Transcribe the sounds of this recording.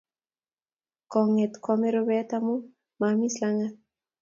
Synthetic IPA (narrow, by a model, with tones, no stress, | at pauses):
kɔ˨ŋe˨t̪kɔ˨me˦ɾobɛ˦t̪amu˦ | ma˨mi˦slaŋa˦